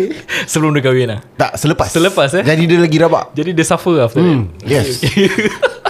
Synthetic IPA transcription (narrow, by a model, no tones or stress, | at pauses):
səbəlʊmdəkawiɛnaht̪aʔsələpassələpasd͡ʒadidəlaɡiɾaba̰ʔd͡ʒadidəsafəaft̪əjɛsoke